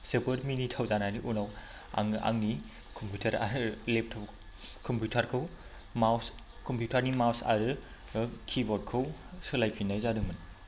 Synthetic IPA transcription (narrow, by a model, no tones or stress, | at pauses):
sepotminitʰawzananiʔunaw | a̰ŋa̰ŋni | kʰompʰutʰaɾaɾɯlep̚tʰaw | kʰɔmpʰjutʰaɾkʰɯw | maws | kʰɔmpʰjutʰaɾnimawsa̰ɾɯ | kʰibɔd̚kʰɯwsɯlajpʰinajzadɯŋmɯn